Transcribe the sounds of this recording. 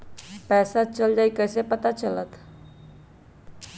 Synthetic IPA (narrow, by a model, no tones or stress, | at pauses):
pɛsat͡ʃəld͡ʒaikəsepət̪at͡ʃələt̪